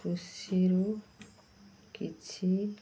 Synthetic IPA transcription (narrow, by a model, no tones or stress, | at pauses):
usiɾo | kit͡ʃʰi